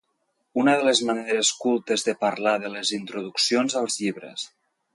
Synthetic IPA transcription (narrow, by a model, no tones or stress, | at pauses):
unəðələzməneɾəskulˠt̪əzðəpəɾlaðəlezint̪ɾuðuksionzəlˠzʎiβɾə̰s